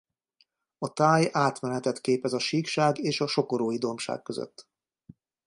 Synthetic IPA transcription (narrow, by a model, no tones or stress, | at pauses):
ɒt̪aːjaːt̪mɛnɛt̪ɛt̪keːpɛzɒʃiːkʃaːɡeːʃɒʃo̞ko̞ɾoːjid̪o̞mʃa̰ːkkøzø̰t̪ː